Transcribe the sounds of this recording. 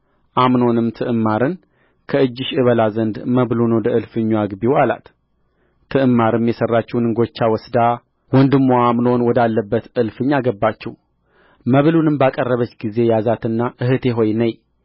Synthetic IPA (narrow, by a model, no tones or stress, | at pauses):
ʔamno̞nɨmt̪ʰɨʔɨmːaɾɨn | kʰəɨd͡ʒːɪʃɨβəlazənd̪məβlunwɔd̪əɨlfɨɲːuaɡbiwala̰t̪ | t̪ʰːɨʔɨmːaɾɨmjɛsərːat͡ʃːɛwnɨŋɡo̞t͡ʃːawɔsd̪a | wɔnd̪ɨmːoamno̞nwɔd̪alːəbːət̪ɨlfɨɲːaɡəbːat͡ʃːɛw | məβlunɨmbakʼərːəβət͡ʃːɡize̞jazat̪ɨnːaʔɨhɨt̪ʰe̞ɦo̞jnəɲ